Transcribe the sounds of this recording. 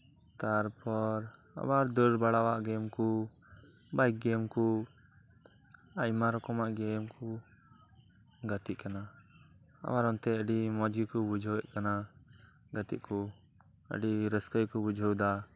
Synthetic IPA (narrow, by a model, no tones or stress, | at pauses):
t̪aɾpʰɔɾa̰baɾd̪əɾbaɽawaʔɡɛmku | bajk̚ɡɛmku | ajmaɾɔkɔmaʔɡɛmku | ɡət̪iʔkana | a̰waɾɔnt̪ɛəɖimɔd͡ʒikubud͡ʒʱəwɛʔkana | ɡət̪ḭʔku | ə̰ɖiɾəskəjkubud͡ʒʱəwd̪a